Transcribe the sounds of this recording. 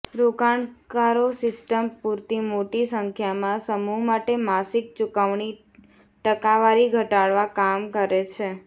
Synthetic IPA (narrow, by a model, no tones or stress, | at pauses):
ɾokaɳkaɾosɪsʈəmpuɾt̪imoʈisəŋkʰjamãsəmuɦmaʈemasik̚t͡ʃukaʋɳi | ʈəkaʋaɾiɡʱəʈaɽʋakamkəɾet͡ʃʰe